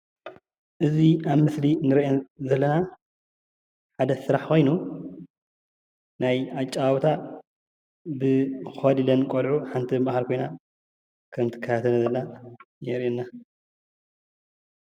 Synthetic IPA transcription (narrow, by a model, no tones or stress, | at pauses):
ʔɨziaβmɨslinɨɾʔezɐlːɐna | ħad̪ɐsɨɾaħxo̞jnu | najat͡ʃʼːaβawt̪ʰa | bɨxɐd̪ilɐnkʼolʕuħant̪ʰiɨbahalkʰo̞jna | kʰɐmt̪ʰɨ̥kʰːɐt̪at̪ʰɐnzɐlna | jɛɾɛnːa